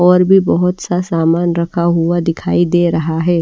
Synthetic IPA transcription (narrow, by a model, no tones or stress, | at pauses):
ɔːɾbʱibɐɦʊt̪sasaːmaːnɾɐkʰaɦʊad̪ɪkʰaːid̪eːɾɐɦaɦɛː